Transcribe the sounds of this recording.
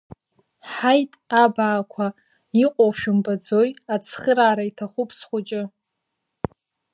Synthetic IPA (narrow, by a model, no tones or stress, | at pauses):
ħajtʼabaːkʷʰa | iqʷʼowʃᶣʊmbad͡zo̞jat͡sʰχəɾaːɾaitʰaχʷʊpʰsχʷʊt͡ʃʼɪ